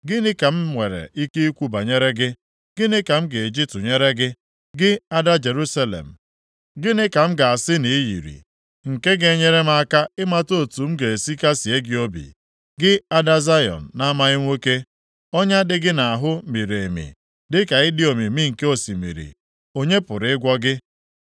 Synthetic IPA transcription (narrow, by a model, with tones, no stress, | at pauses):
ɡɪ˦nɪ˦ka˨m̩˦ŋʷe˨ɾḛ˨ʔi˦ke˦i˦kʷu˦ba˨ɲe˦ɾe˦ɡɪ˦ | ɡ̥ɪ˦nɪ˦ka˨m̩˦ɡe˨e˨d͡ʒi˦tʊ˨ɲe˦ɾe˦ɡɪ˦ | ɡɪ˦a˦da˦d͡ʒe˨ɾu˦sa˦lḛ˨m̩˨ | ɡɪ˦nɪ˦ka˨m̩˦ɡa˨a˨sɪ˦ni˨i˦jḭ˨ɾḭ˨ | ŋ̩˨ke˦ɡe˦˨ɲe˦ɾe˦m̩˦a˦ka˦ɪ˦ma˦to˦˨tu˨m̩˦ɡe˨e˨si˦ka˦si˨e˦ɡɪ˦o˦bḭ˨ | ɡɪ˦a˦da˦za˦jɔ̰˨n̩˨na˦ma˦ɣɪ˦ŋʷe˦ke˦ | ɔ˦ɲa˦dɪ˦ɡɪ˦na˨a˨ɦʊ˦mi˨ɾe˨mḭ˨ | dɪ˦ka˨ɪ˦dɪ˦o˨mi˨mi˦ŋ̩˨ke˦o˨si˨mḭ˨ɾḭ˨ | o˦ɲe˦pʊ˨ɾɪ˨ɪ˦ɡʷɔ˦ɡɪ˦